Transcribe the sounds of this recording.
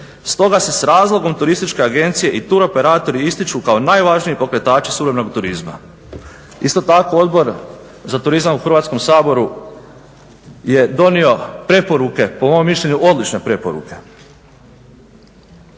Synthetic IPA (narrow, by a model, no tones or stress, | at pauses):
st̪o̞ɡase̞sɾaːzlˠo̞ɡo̞mt̪uɾist̪it͡ʃke̞aɡe̞nt̪sije̞ʔit̪uɾo̞pe̞ɾaːt̪o̞ɾiist̪it͡ʃukaonaːjʋaʒnijepo̞kɾe̞t̪aːt͡ʃi̥suɾemenoɡt̪uɾizma̰ | ist̪o̞t̪ako̞o̞d̪bo̞ɾ | zat̪uɾizamuxɾ̩ʋaːt̪sko̞msaːbo̞ɾu | je̞d̪o̞nio̞pɾe̞po̞ɾuke̞po̞momːiʃʎʲe̞ɲuʔo̞d̪lit͡ʃne̞pɾe̞po̞̰ɾṵke̞̥